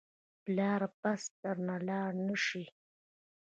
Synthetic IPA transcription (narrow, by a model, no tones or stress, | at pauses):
plɑːɾpast̪aɾnalɑːɾnəʃi